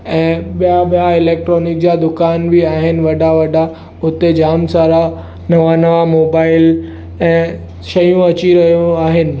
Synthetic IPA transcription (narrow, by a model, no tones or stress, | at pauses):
ɛ̃ːɓijaɓijaɪleːk̚ʈɾoːnɪk̚d͡ʑad̪ʊkaːnbʱiaːɦɪnɪ̆ʋɐɖʱaʋɐɖa | ʊt̪ed͡ʑaːmsaːɾa | nɐʋanɐʋamoːbaːɪl | ɛ̃ː | ʃɐjũɐt͡ɕiɾɐɦijũaːɦɪnɪ̆